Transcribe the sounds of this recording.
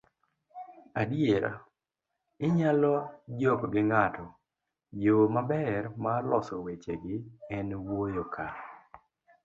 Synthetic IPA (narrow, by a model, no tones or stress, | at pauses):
adijeɾa̰ | ɪɲalɔd͡ʒɔkɡɪŋatʰɔ | jomabɛrmalɔsɔwet͡ʃeɡɪɛnwojokʰa